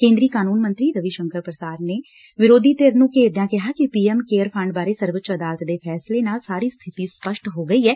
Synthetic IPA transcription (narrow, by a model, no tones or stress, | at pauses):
kẽːnd̪ɾiːkaːnuːnmə̃nt̪ɾiːɾəʋiʃəŋkəɾpɾəsaːɾneː | ʋɪɾoːd̪ʱiːt̪eːɾnũːkeːɾd̪jãːkɪɦaːkɪpiːɛmkeːəɾpʰə̃ɳɖ̚baːɾeːsəɾʋət͡ʃəd̪aːlət̪d̪eːpʰɛːslenaːlsaːɾiːst̪ʰɪt̪iːspəʃʈɦoːɡəiːɦɛː